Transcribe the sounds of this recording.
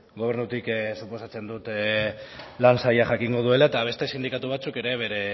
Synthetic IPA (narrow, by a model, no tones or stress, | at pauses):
ɡo̞β̞e̞ɾnut̪iksupo̞sat͡se̞nd̪ut̪ | lansajaʝakiŋɡo̞ð̞ue̞lae̞t̪aβ̞e̞st̪e̞sind̪ikat̪uβ̞at͡suke̞ɾe̞βe̞ɾe̞